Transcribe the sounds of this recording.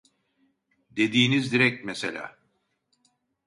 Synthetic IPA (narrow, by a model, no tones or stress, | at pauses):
d̪e̞d̪iːnizd̪iɾɛc̚mesḛlʲa̰ː